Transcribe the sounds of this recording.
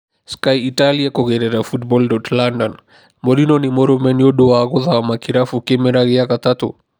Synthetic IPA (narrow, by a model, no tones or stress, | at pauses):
skajitaliakɔɣɛɾɛɾafutbɔldɔtlandɔn | moɾinonimɔɾɔmɛnijoɗuwaɣɔðamakiɾafukemɛɾaɣijakat̪at̪ṵ